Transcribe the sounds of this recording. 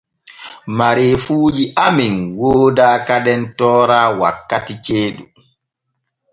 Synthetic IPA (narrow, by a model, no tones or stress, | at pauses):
maɾefuːd͡ʒiʔaminwoːdaːkaɗɛntɔːɾaːwa̰kːatit͡ʃeːɗṵ